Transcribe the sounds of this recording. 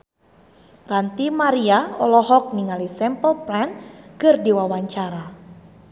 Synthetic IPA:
rant̪imaɾiaɔ̰lɔɦɔk̚niŋalisɛmpɔpɾankɨrdiwawaɲt͡ʃaɾa

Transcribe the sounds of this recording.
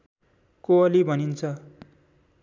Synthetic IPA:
koʌlibʱʌnint͡sʰʌ

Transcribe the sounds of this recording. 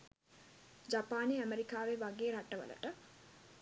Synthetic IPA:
d͡ʒapaːneæmeɾikaːʋeʋaɡeːɾaʈəʋə̰lə̰ʈə

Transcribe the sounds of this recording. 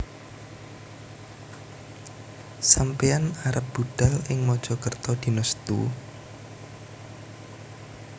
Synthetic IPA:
sampeanaɾəp̚b̥uɖ̪̥a̤lɪŋmɔd̥ʒ̥ɔ̤kərt̪ɔd̪̥i̤nəst̪ṵ

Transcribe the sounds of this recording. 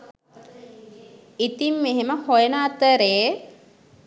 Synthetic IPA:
it̪imːeɦeməhojənaːt̪əɾe

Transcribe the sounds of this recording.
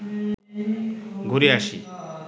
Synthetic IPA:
ɡʱuɾiaʃḭ

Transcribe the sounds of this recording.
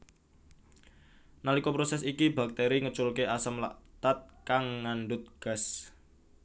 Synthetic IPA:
nalikɔpɾosɛsikiba̤k̚t̪eɾiŋət͡ʃʊlkeʔasəmla̰ʔt̪at̪̚kaŋːanɖʊt̪̚ɡ̥as

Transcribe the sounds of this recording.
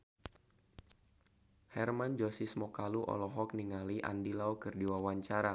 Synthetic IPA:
hɛrmand͡ʒosismɔkaluʔɔ̰lɔɦɔk̚niŋaliʔa̰ndilawkɨrdiwawaɲt͡ʃaɾa

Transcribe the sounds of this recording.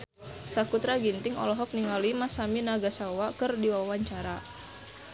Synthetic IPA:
sakut̪ɾaɡint̪ɪŋɔ̰lɔɦɔk̚niŋalimasaminaɡasawakɨrdiwawaɲt͡ʃaɾa

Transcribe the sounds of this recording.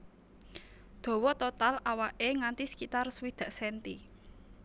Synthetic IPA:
d̪̥o̤wɔt̪ot̪alawaʔeŋant̪isə̥kit̪arswid̪̥ä̤ʔsɛnt̪i

